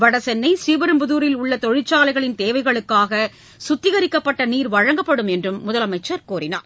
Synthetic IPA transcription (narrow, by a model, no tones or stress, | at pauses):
ʋɐɽɐsɛnːɐɪsiːʋɐɾɯmpʊðuːɾɪlʊɭːɐt̪ɔɻɪt͡ʃːaːlɐɪɣɐɭɪnt̪eːʋɐɪɣɐɭɯkːaːɣɐ | sʊt̪ːɪɣɐɾɪkːɐpːɐʈːɐniːɾʋɐɻɐŋɡɐpːɐɽɯmɛndrɯmːʊðɐlɐmɐɪt͡ʃːɐɾkoːɾɪna̰ːɾ